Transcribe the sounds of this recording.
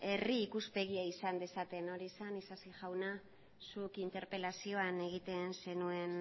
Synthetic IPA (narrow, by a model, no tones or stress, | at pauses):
e̞riːkuspe̞ɣ̞iaisand̪e̞sat̪e̞no̞ɾiesanisasiʝawna | sukint̪e̞ɾpe̞lasio̞ane̞ɣ̞it̪e̞nse̞nue̞n